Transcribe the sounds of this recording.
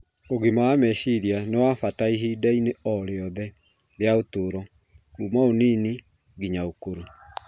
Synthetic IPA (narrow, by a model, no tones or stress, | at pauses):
oɣimaamɛʃiɾianewafataiɦidaineɔɾeɔðɛ | ðeaotoːɾɔ | umaoniːni | ɡiɲaokoɾo